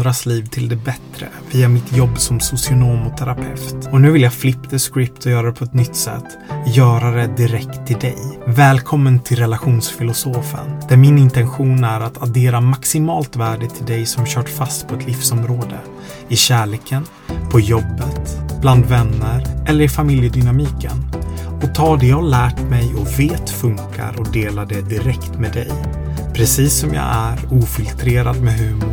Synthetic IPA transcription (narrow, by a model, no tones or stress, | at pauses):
d̪ɾasliːvt̪ʰɪld̪ɛbɛt̪ɾə̰viːamɪt̪ʰjɔbːsɔmsʊsɪʊnoːmɔt̪ʰæɾapʰɛ̰ft̪ɔnʉ̟ːvɪljaflɪpt̪ʰəskɾɪp̚t̪ʰɔjœːɾad̪ɛpʰɔɛt̪nʏt̪ːsɛ̰t̪ːjœːɾaɾɛd̪ɪɾɛkt̪ʰːɪld̪ɛ̰jvɛːlkʰɔmːənt̪ʰɪlɾɛlaɧuːnsfɪlʊsoːfə̰nd̪̥æɾmɪnɪnt̪ɛnɧuːnæɾat̪ad̪eːɾamaksɪmɑːlt̪væːɖɪt̪ʰɪld̪ɛjsɔmɕœːʈfast̪pʰɔɛt̪lɪfsɔmɾoːd̪ə̰ | ɪɕæːɭeːkʰən | pʰɔjɔbːət̪b̥land̪vɛnːəɾʔɛlːəɾɪfamɪljəd̪ʏnamiːkə̰nɔt̪ʰɑːd̪ɛjɑlæːʈmɛjɔveːt̪fɵŋka̰ɾɔd̪eːlad̪ɛd̪ɪɾɛkt̪med̪ɛ̰j | pʰɾɛsiːsːɔmjɑ̰ːæɾuːfɪlt̪ʰɾeːɾad̪mɛɦʉ̟ːmʊ